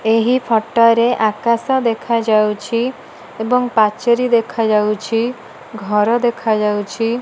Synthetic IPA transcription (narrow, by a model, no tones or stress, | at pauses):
eɦipʰɔʈɔɾeʔakasɔd̪ekʰad͡ʒawt͡ʃʰi | ebɔŋpat͡ʃeɾid̪ekʰad͡ʒawt͡ʃʰi | ɡʱɔɾɔd̪ekʰad͡ʒawt͡ʃʰi